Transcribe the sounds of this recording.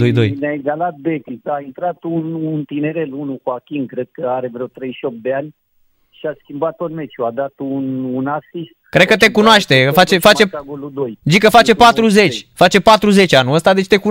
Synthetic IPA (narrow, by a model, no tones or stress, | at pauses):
ojd̪o̞̰jneaeɡalat̪̚bekʲisaint̪ɾat̪ununt̪ine̞ɾe̞lunukuakʲiŋkɾe̞d̪̚kəaɾe̞vɾeeot̪ɾejʃio̞p̚d̪eanʲ | ʃiaskʲimbat̪ːot̪me̞t͡ʃjuad̪at̪ununasist̪kɾed̪̚kət̪e̞kunoaʃt̪e̞fat͡ʃefat͡ʃeaɡolud̪ojzikəfat͡ʃe̞pat̪ɾuze̞t͡ʃʲfat͡ʃe̞pat̪ɾuze̞t͡ʃʲanuəst̪ad̪e̞t͡ʃʲt̪e̞ku